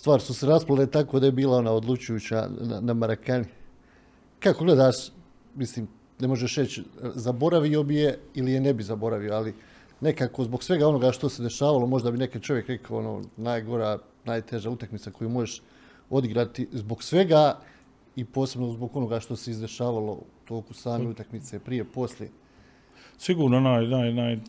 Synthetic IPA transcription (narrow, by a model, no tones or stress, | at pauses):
st̪ʋaːɾisuseɾasplalet̪akoːd̪ajebiːlao̞naːo̞d̪lˠut͡ɕujuːt͡ɕa̰na̰namaɾakani | kako̞ɡle̞d̪aːʃ | misliːm | ne̞mo̞ʒeʃɾet͡ɕzabo̞ɾaʋio̞bije̞ilijene̞bizabo̞ɾaʋioali | ne̞kako̞zbo̞ɡsʋe̞ɡao̞no̞ɡaʃt̪o̞se̞d̪e̞ʃaːʋalo̞mo̞ʒd̪abineket͡ʃo̞ʋje̞kɾe̞kaoo̞̰no̰ːnaːjɡo̞ɾaː | naːjt̪e̞ʒaut̪akmit̪sako̞juːmo̞jeʃ | o̞d̪iɡɾat̪izbo̞ɡsʋe̞ɡaː | ipo̞ːse̞bnozbo̞ɡo̞no̞ɡaʃt̪o̞seizd̪e̞ʃaːʋalˠo̞̰ut̪o̞ːkusaːmeut̪akmit̪se̞pɾije̞po̞slʲjḛ | siɡuːɾnonajnajnaj